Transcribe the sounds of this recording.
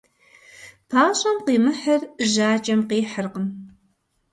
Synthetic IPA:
pʰaːɕʼɐmqiːmɨħɐrʒaːt͡ʃʼɐmqiːħərqəm

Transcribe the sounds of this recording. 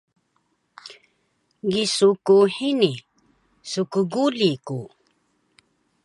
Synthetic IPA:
ɡisukuħini | sukuɡuliku

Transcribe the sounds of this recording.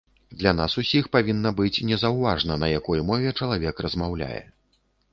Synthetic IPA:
d̪lʲan̪asusʲixpavʲinːɐbɨt͡sʲnʲɛzɐwvaʐnɐnɐjakɔjmɔvʲɛt͡ʂɐlˠavʲɛkrɐzmawlʲa̰jɛ̰

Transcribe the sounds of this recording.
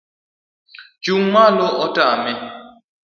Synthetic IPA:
d͡ʒuŋmalɔʔɔtamɛ

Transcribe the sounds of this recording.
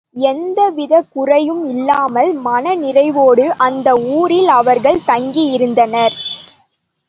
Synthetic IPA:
ɛnd̪ɐʋɪðɐkʊrɐjɯmɪlːaːmɐlmɐnɐnɪrɐɪʋoːɽɯʔɐnd̪ɐuːɾɪlɐʋɐɾɣɐɭt̪ɐŋɡijɪɾɯnd̪ɐnɐɾ

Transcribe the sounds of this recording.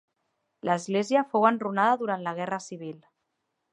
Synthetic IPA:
lʔəzɣleziəfowənrunaðəðuɾant̪ləɣ̞ɛrəsiβ̞il

